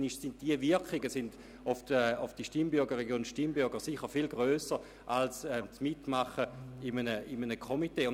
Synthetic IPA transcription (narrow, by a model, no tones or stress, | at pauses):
niʃsɪnt̚d̥iəvɪɐkɪɡəsɪnd | ʊfdəʊfd̥iʃtimbʏɐɡəʁeɡjoːnʃtimbyɐɡəʁsiχəfilɡʁøːsə | ʔalsɛt͡smitmaχəɪmənəɪmənəkʰomiteːʊ